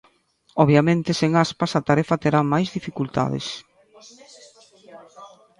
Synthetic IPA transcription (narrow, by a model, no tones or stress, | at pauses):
ɔβjamẽnt̪ɪseŋaspasat̪aɾɛfɐt̪eɾamajzðifikult̪a̰ðɪ̰s